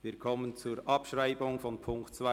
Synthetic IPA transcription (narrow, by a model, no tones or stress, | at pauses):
viːkʰɔmənt͡suːɾʔɑpʃraɪbʊŋfɔnpʰʊŋktt͡sva